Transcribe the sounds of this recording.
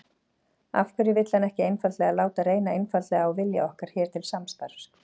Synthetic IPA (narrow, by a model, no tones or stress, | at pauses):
a̰fkʰvʏɾɪvɪt̪lanɛhcɪejnfallɛɣalaːwt̪aɾeːjnaejnfalɛɣaawvɪlja̰ɔhkaɾ̥çɛːɾ̥t̪ʰɪlsamst̪aɾs